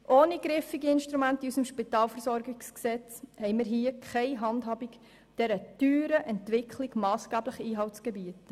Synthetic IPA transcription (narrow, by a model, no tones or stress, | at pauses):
ʔoːniɡɾɪfiɡiɪnʃtɾumæntiysəmʃpitɑːlfəɾsɔɾɡiksksɛt͡shɛɪmɪːɾɦiəkʰχɛɪɦɑndɦɑːbik | d̥ɛɾəd̥yːɾəʔɛntʋɪkʰliɡ̥mɑːsɡ̥æːbləχiːɦɑltsɡ̥ɛbiət